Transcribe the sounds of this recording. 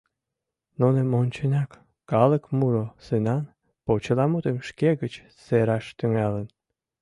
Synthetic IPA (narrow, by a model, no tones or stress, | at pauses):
nunĕmonʲt͡ɕenʲɑkː | ɑlə̆kmuɾosɨnɑn | pot͡ɕəlɑmut̪emʃkeɣət͡ɕ | seɾɑʃt̪yŋɑlən